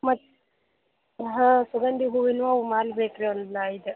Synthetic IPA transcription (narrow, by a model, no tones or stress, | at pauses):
mɐtː | ɦãːsuɡɐnd̪iɦuʋinʋamaːlbeːkɾeɐnd̪laid̪e